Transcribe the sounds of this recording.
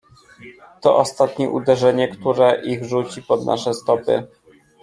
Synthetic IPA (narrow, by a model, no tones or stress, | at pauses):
t̪ɔ̰ʔɔst̪at̪ɲɛʔud̪ɛʐɛɲɛkt̪uɾɛʔiɣʐut͡ɕipɔd̪nʔa̰ʂɛst̪ɔpɘ̰